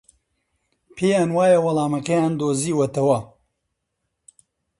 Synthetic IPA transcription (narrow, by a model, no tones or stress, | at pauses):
pʰeːjaːnwaːjɐwɐlaːmɐkɐjaːnd̪oːziːwɐt̪ɐwɐ